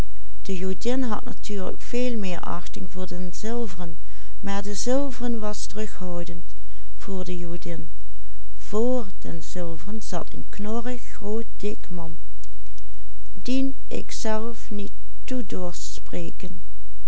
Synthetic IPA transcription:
d̥əjudɪnɦɑ̰tna̰tʰyːɹlə̰kfeːlˠmɪːɹʔɑ̰xtɪŋvʊːɹdənzɪlˠvərən | maːɹdəzɪlˠvərənʋɑstərɵxhɑwdənt | fʊːɹdəjudɪn | v̥oːɹdə̰nz̥ɪlˠvərənzɑtʰə̰nknɔrɪxrowt̚d̥ɪkmɑn | din | ʔɪ̰ksɛlˠfnitː | udʊːɹsspreːkən

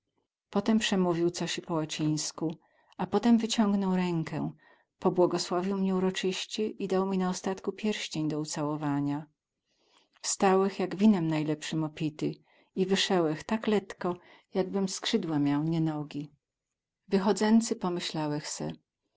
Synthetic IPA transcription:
pɔt̪ɛmpʂɛmuvʲiwt̪sɔɕipɔwat͡ɕĩj̃sku | apɔt̪ɛmvɘt͡ɕɔŋɡnɔwɾɛŋkʰɛ̰ | pɔbwɔɡɔswavʲiwmɲɛuɾɔt͡ʂɘɕt͡ɕɛʔid̪awmʲinaɔst̪at̪kupʲjɛɾɕt͡ɕeɲd̪ɔut̪sawɔvaɲa | fst̪awɛxjaɡvʲinɛmnajlɛpʂɘmɔpʲit̪ɘ | ivɘʂɛwɛxt̪aklɛt̪kɔ | jaɡbɘmskʂɘd̪wamʲjawɲɛnɔɡʲi | vɘxɔd̪zɛnt̪sɘpɔmɘɕlawɛxsɛ̰

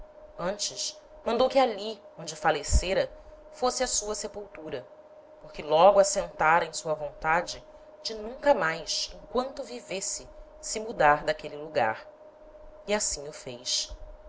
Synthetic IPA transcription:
ɐ̃nt͡ʃɪʃ | mɐ̃nd̪owkɪaliõd͡ʒɪfaleseɾɐ | fosɪɐsuɐsepuwt̪uɾɐ | poχkɪlɔɡʊasẽnt̪aɾẽj̃suɐvõnt̪ad͡ʒɪ | d͡ʒɪnũŋkɐmajsẽŋkwɐ̃nt̪ʊvivesɪ | sɪmud̪aɾd̪akelɪluɡa̰ɾ | iasĩɲʊfejʃ

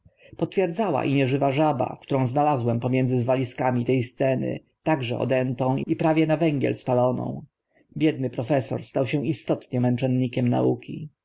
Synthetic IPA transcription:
pɔt̪fʲjɛɾd̪zawa̰ʔiɲɛʐɘvaʐaba̰kt̪uɾɔ̃w̃znalazwɛmpɔmʲjɛnd̪zɘzvalʲiskamʲit̪ɛjst̪sɛnɘ̰ | t̪aɡʐɛ̰ɔ̰d̪ɛnt̪ɔ̃w̃ipɾavʲjɛnavɛŋɡʲjɛ̰lspalɔnɔ̰̃w̃ | bʲjɛd̪nɘpɾɔfɛsɔ̰ɾst̪awɕɛ̃ist̪ɔt̪ɲɛmɛnt͡ʂɛnɲikʲɛmna̰ukʲḭ

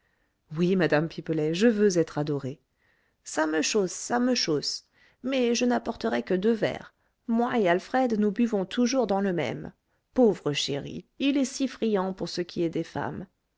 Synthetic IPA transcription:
wimad̪ampipəlɛʒəvøzɛt̪χad̪ɔʁe | saməʃosːaməʃos | mɛʒənapɔʁt̪əʁɛkəd̪øvɛ̰ʁ | mwaealfχɛd̪nubyvɔ̃t̪ʰuʒuʁd̪ɑ̃ləmɛ̰m | povʁəʃḛʁḭilɛsifχijɑ̃puʁsəkʲʰiɛd̪efa̰m

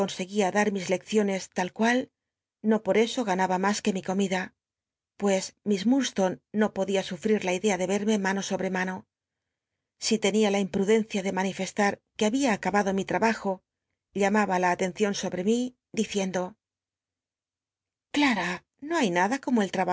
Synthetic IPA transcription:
ko̞nse̞ɣiaðaɾmizle̞kθjo̞ne̞st̪alkwal | no̞po̞ɾe̞so̞ɣ̞anaβamaske̞miko̞miða | pwe̞smizmuɾst̪o̞nːo̞po̞ðiasufɾiɾlaiðe̞aðe̞βe̞ɾme̞mãno̞so̞βɾe̞mano̞ | sit̪e̞nialaimpɾuðe̞n̟θjaðe̞manife̞st̪aɾke̞aβiaːkaβaðo̞mit̪ɾaβaxo̞ | ʎamaβalaːt̪e̞nθjo̞nso̞βɾe̞mi | d̪iθje̞nd̪o̞ | klaɾa | no̞ajnaðako̞moe̞lt̪ɾaa

